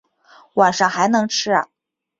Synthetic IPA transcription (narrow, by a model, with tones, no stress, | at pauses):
wa˨˩nʂɑ˥˩ŋxa˧˥ɪnɤ˧˥ŋʈ͡ʂʰɻ̩˥ɐ̰˨˩